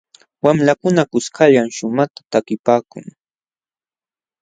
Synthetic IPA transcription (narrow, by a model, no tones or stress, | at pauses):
wamlakʊnakʊskʰaʎamʃʊmat̪ḁt̪akɪpaːkʊ̰ŋ